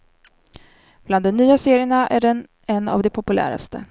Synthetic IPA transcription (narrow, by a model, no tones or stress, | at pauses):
b̥land̪ɔnːyːaseːɾɪəɳaʔæɖɛn | ɛnːa̰vd̪ɛpʰʊpɵlæ̰ːɾa̰st̪ə̰